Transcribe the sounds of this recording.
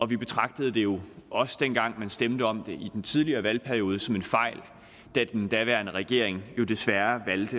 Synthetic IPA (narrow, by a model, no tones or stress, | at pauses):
ʔɒ̽ʋib̥e̝t͡sʰʁɑ̈ɡ̥d̥əð̞ˠd̥e̝jo̝ɒ̽səd̥en̰ɡ̥ɑ̈ŋ̰mænsd̥emd̥əɒ̽md̥e̝ʔid̥ent͡sʰið̞ˠliɐːʋælpʰæɐio̝ːð̞ˠəsɒ̽me̝nfɑ̈ɪ̰l | d̥æd̥end̥æʋæɐnəʁɛɡ̥e̝ɐ̰e̝ŋjo̝d̥e̝sʋæɐʋæld̥ə